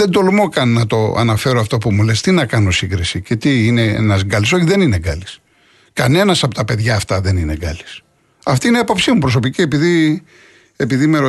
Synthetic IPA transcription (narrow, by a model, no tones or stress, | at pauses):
ðend̪o̞lmokɐnːɐt̪o̞ɐ̰nɐfe̞ɾo̞ɐft̪o̞pumulest̪inɐkɐno̞siɡɾisice̞t̪iineḛnɐzɡɐliso̞çiðe̞nine̞ɡɐlis | kɐne̞nɐsɐpo̞t̪ɐpe̞ðʝɐːft̪ɐðe̞nine̞ɡɐli̥s | ɐft̪iineɐpo̞psimupɾo̞so̞picie̞piði | epiðimeɾo